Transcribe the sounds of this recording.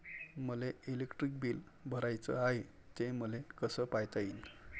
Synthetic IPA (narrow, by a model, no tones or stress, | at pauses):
məleilekʈɾik̚biːl | bʱəɾajt͡sə̰aɦe | t̪eməlekəsəpajt̪aiːn